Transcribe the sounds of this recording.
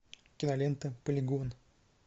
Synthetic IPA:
kʲɪnɐlʲent̪əpəlʲɪɡon

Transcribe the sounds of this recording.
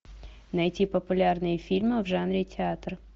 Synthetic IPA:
nɐjtʲipəpʊlʲarnɨjəfʲilʲmɨvʐanɾʲɪtʲɪat̪r

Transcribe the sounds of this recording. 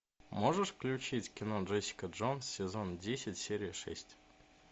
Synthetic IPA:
moʐəʂffklʲʉt͡ɕitʲkʲɪnoʐɛsʲɪ̥kəʐonssːʲɪzondʲesʲɪtʲsʲeɾʲɪəʂɛ̰sʲtʲ

